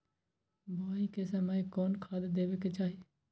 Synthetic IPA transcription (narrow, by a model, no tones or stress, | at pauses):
bʱaikesəməjkɔːnkʰaːd̪d̪eːʋeket͡ʃaːɦie